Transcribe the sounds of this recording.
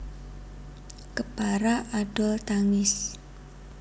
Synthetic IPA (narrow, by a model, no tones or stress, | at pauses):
kəpaɾaʔaɖ̥ɔlt̪aŋɪs